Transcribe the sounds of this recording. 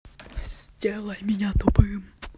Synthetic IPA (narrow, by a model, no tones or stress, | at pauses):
ssʲtʲɛlˠɐjmʲenʲat̪ɔpɨm